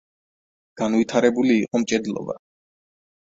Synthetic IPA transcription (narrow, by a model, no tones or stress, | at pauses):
ɡ̥anvit̪ʰaɾɛbuliːqʼɔmt͡ʃʼɛd̪lˠɔ̰ba̰